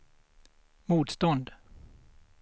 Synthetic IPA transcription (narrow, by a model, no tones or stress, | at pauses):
muːt̪st̪ɔnd̪